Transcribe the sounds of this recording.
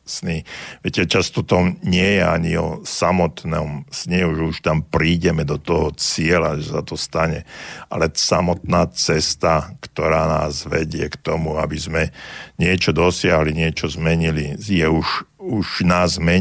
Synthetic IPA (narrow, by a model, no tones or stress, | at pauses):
sniʋɛcɛt͡ʃast̪ɔt̪ɔmɲɪɛjɛa̰ɲiɔ̰samɔt̪nɔ̰msɲɛuʒɛuʃt̪ampɾiːɟɛmɛd̪ɔt̪ɔɦɔt͡sɪɛlaʒɛsat̪ɔst̪aɲɛʔa̰lɛsamɔt̪naːt͡sɛst̪akt̪ɔɾaːna̰ːzʋɛɟɪɛkt̪ɔmua̰bizmɛɲɪɛt͡ʃɔd̪ɔsɪaɦliɲɪɛt͡ʃɔzmɛɲilijɛuʒuʒnaːzmɛ